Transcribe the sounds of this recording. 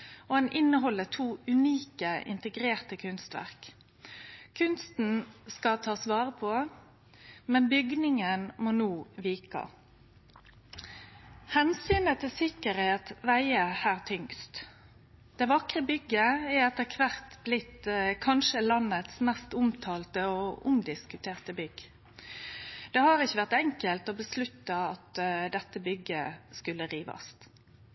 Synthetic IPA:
oɑnʔɪnːəɦɔlːət̪ʰuːʉniːkəɪ̰nt̪əɡɾeːʁt̪əkʰʉnst̪ʋæ̰ʁk | kʰːʉnst̪n̩skɑt̪ʰɑːsʋɑːʁəpʰɔ | mɛnbʏɡnɪŋənmoːnuːʋiːkɑ̰ | hɛnsyːnət̪ʰɪsɪkəɾheːt̪ʋæɪəhæːʁt̪ʰʏŋkst̪ | d̪̥ɛːʋɑkʁəbʏɡəɛɛt̪ːəkʰʋæʁt̪blɪt̪kʰɑnʃəlɑnːət̪smɛst̪ʊmt̪ʰɑːlt̪əɔʊ̰md̪ɪskʉt̪ʰeːʁt̪əbʏɡ | d̪̥ɛhɑʁɪçːəʋæʁt̪ɛŋkəlt̪ɔbəslʉt̪ːɑɑt̪d̪ɛt̪ːəbʏɡəskʉlːəʁiːʋɑ̰st̪

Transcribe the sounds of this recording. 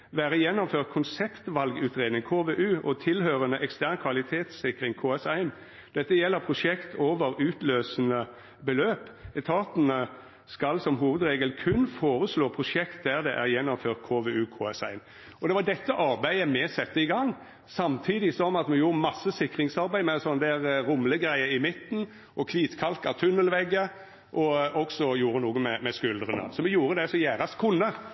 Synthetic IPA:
ʋæːɾəjɛnːɔmføːʁt̪̚kʰʊnsɛpt̪ʋɑlɡʉːt̪ʁeːd̪nɪŋkʰoːʋeːʔʉːʔɔt̪ʰɪlhøːɾənəʔɛkst̪æʁnkʰʋɑlɪt̪ʰeːt̪sɪkɾɪŋkʰoːɛsæɪn | d̪̥ɛt̪ːəjɛlːəɾpʰɾʊʂɛkt̪ʰoːʋəɾʉːt̪løːsənə | bəløːpɛt̪ʰɑːt̪nə | skɑlsɔmɦuːʋəd̪ɾeːɡəlkʰʉnfoːɾəsloːpʰʁʊʂɛkt̪̚d̪æʁd̪ɛʔæʁjɛnːɔmføːʁt̪̚kʰoːʋeːʉːkʰoːɛsæ̰ɪn | ɔd̪ɛʋɑd̪ɛt̪ːəʔɑɾbæɪəmɛsɛt̪ːəɪɡɑŋː | sɑmt̪ʰiːd̪ɪsɔmɑt̪mɛjuːɾəmɑsːəsɪkɾɪŋsɑɾbæɪmɛsɔnəd̪æːɾɾʊmləɡɾæɪəɪmɪt̪n̩ | ʔɔkʰliːt̪kʰɑlkɑʋt̪ʰʉnːəlʋɛɡːə | ʔɔɔksɔjuːɾənuːɡəmɛmɛskʉld̪ɾənə̰sɔmɛjuːɾəd̪ɛsɔjæːɾɑst̪kʰʊnːə

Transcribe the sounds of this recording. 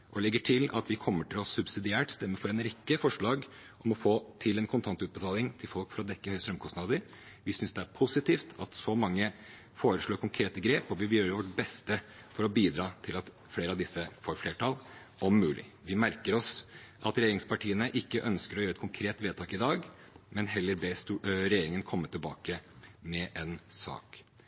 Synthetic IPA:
ʔɔlɛɡːəʈʰɪlɑ̰t̪ʋɪkʰɔmːəʈʰɪlɔsʉbsɪd̪ɪæːʈst̪ɛmːəfɔɾɛnɾɛkːəfɔʂɭɑːɡ | ʔɔmɔfoːt̪ʰɪlɛnkʰʊnt̪ʰɑnt̪ʉːt̪̚bət̪ʰɑːlɪŋt̪ʰɪlfɔlkfɔɾɔd̪ɛkːəhœʏəst̪ɾœmkʰɔsnɑd̪əɾ | ʋɪsʏnsd̪ɛæɾpʰʊsɪt̪ʰiːft̪ʰɑt̪sɔmɑŋːə | foːɾəʂɭoːɾkʊŋkʰɾeːt̪əɡɾeːpɔʋɪʋjøːɾəʋɔʈbɛst̪ə | fɔɾɔbiːd̪ɾɑːt̪ʰɪlɑt̪ | fleːɾəɑʋd̪ɪsːəfoːɾfeːʈɑl | ʔɔmːʉːlɪ̰ | ʋɪmæɾkəɾɔs | ʔɑt̪ɾɛjeːɾɪŋspɑʈiːənəʔɪkːəʔœnskəɾɔjøːɾɛt̪kʰʊŋkʰɾeːt̪ʋeːd̪t̪ʰɑːkɪd̪ɑːɡ | mɛnɦɛlːəɾbɛsɾɛjeːɾɪŋənkʰɔmːət̪ʰɪlbɑ̰ːkəmɛʔɛnsɑ̰ːk

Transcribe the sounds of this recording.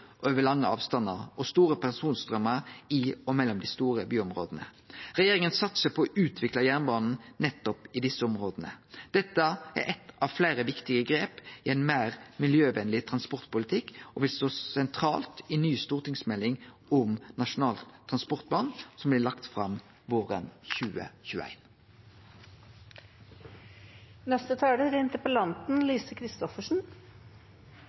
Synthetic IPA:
ʔøːʋəlɑŋːəɑ̰ːʋst̪ɑnːəɾɔst̪uːɾəpʰæsuːnst̪ɾœmːəɾɪɔmɛlːɔmd̪ɪst̪uːʁəbyːɔmʁo̰ːd̪ənə̰ | ʁɛjeːʁɪŋənsɑt̪səpʰɔɔʔʉːt̪ʰʋɪklɑjæʁnbɑːnn̩nɛt̪ːɔpɪd̪ɪsːəɔmʁoːd̪ənə̰d̪̥ɛt̪ːəæ̰ɾʔɛt̪ɑʋflæɪɾəʋɪkt̪ɪɡəɡɾeːpɪɛɪnmæːʁmɪljøːʋɛnlɪt̪ʰʁɑnspɔʁt̪pʊlɪt̪ʰɪkːɔʋɪlst̪oːsɛnt̪ʰɾɑːlt̪ɪnyːst̪uːʁt̪ɪŋsmɛlːɪŋ | ʊmnɑʂʊnɑːlt̪ʰːʁɑnspɔʁt̪̚blɑnsɔmblɪlɑkt̪fʁɑm | ʋoːʁə̰nçʉːə̰çʉːæ̰ɪn | nɛst̪ət̪ʰɑːɖ̪əɾɪnt̪əpəlɑnt̪n̩liːsəkʰɾɪst̪ɔfəʂn̩

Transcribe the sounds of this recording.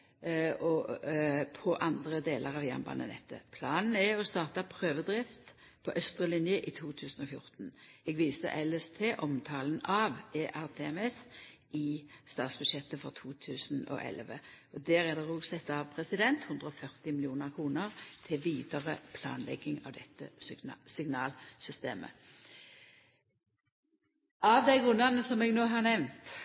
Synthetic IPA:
ɔ | pʰɔʔɑnd̪ʁəd̪eːləʁɑʋjæ̰ʁnbɑ̰nə̰nɛ̰t̪ʰːə̰pʰlɑːnn̩ɛɔst̪ɑːʁt̪ɑpʰʁøːʋəd̪ʁɪft̪ | pʰɔʔœst̪ʁəlɪnjəʔɪt̪ʰuːt̪ʰʉːsn̩ɔfjʊɾt̪n̩ɛɡʋiːsə̰ʔɛlɛst̪ʰeːʔɔmt̪ʰɑːln̩ɑʋeːʔæʁt̪ʰeːɛmɛsʔɪst̪ɑːt̪sbʉd̪ʃjɛt̪ːəfɔʁt̪ʰuːt̪ʰʉːsno̰ːʔɛ̰lʋə̰ | ɔd̪æːʁɛd̪ɛːʁuːsɛt̪ːɑʋpʰʁɛsɪd̪ɛnt̪hʉnd̪ʁəɔfœʁt̪ɪmɪlɪuːnəʁkʰʁuːnəʁt̪ʰɪʋiːd̪əʁəpʰlɑ̰ːnlɛ̰ɡɪŋɑ̰ʋd̪ɛt̪ːə̰sɪɡnɑːlsʏst̪ḛːmə̰ | ɑʋd̪æɪɡʁʉnd̪ɑnəsɔmɛːɡnoːɦɑʁnɛʋnt̪

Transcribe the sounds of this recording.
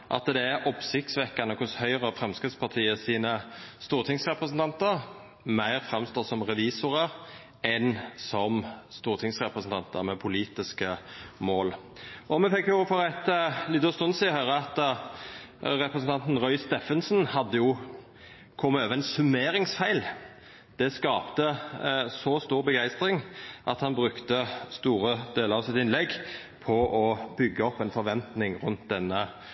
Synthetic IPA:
ʔɑ̰t̪d̪ɛæɾʔɔpsɪt̪sʋɛkːɑnəkʰʊshœʏʁəfɾɛmskʁɪt̪spʰɑʁt̪ʰiːəsiːnəst̪uːʁt̪ʰɪŋsʁɛpʁəsnt̪ɑnt̪əɾ | mæɪɾfʁɛmst̪oːsɔmʁɛʋiːsʊɾə | ɛnsɔmst̪uːʁt̪ʰɪŋsʁɛpɾəsn̩t̪ɑnt̪ə̰ɾmɛpʰʊliːt̪ɪskəmoːl | ʔɔmɛfɛkːjʊfɔɾæt̪əlɪt̪ːɔst̪ʊnsiːɔhœːʁəɑt̪ | ɾɛpɾəsn̩t̪ɑnt̪n̩ʁɔʏst̪ɛfənsnhɑd̪ːəjʊ | kʰɔmːəøːʋəɛnsʉmeːɾɪŋsfæɪl | d̪̥ɛskɑːpt̪əsɔst̪uːɾbəɡæɪst̪ɾɪŋʔɑt̪hɑnbʁʉkt̪əst̪uːɾəd̪̥eːləɾɑʋsɪt̪ɪnlɛɡː | pʰɔʔɔbʏɡːəɔpːɛnfɔɾʋɛnt̪nɪŋʁʉnt̪d̪ɛnːə

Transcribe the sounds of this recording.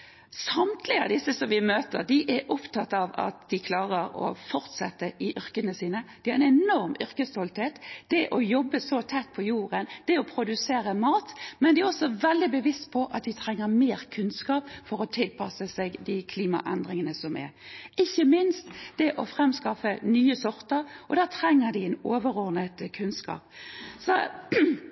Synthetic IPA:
sɑmt̪ʰlɪɑ̰d̪ɪsəsɔmʋɪmøːt̪əʁd̪ɪʔɛʔɔpt̪ʰɑt̪ːɑʋɑ̰t̪d̪ɪkʰlɑːʁəɾɔ̰fɔɾt̪sɛ̰t̪ːəʔɪʔʏɾkənəsiːnəd̪̥ɪhɑɾɛnɛnɔɾmʏɾkəst̪ɔlt̪heːt̪d̪̥ɛʔɔjɔbːəsɔt̪ʰɛt̪ːpʰɔjuːʁənd̪̥ɛɔpʰɾʊd̪ʉseːɾəmɑːt̪mɛnd̪ɛæɾɔsɔʋɛld̪ɪbəʋɪst̪pʰɔʔɑt̪̚d̪ɪt̪ʰɾɛŋːəɾmeːɾkʰʉnskɑːpfɔɾɔt̪ʰɪlpʰɑsəsɛɡd̪ɪkʰliːmɑ̰ʔɛnd̪ɾɪŋənəsɔmɛ̰ɾɪçːəmɪnst̪d̪̥ɛʔɔfʁɛmskɑfənyːəsɔɾt̪əɾʔɔd̪æːt̪ʰʁɛŋːəd̪ɪɛnoːʋəɾɔʁnət̪kʰʉnskɑ̰ːpsɔ̰

